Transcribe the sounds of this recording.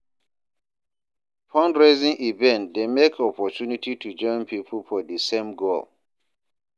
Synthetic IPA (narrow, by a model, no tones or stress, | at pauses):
pʰɔ̃nɹezĩŋʔivɛ̃ntdemekʰɔpʰɔtunititʰud͡ʒɔ̃ɪ̃npʰipʰəl̩fɔdəsẽmɡolˠ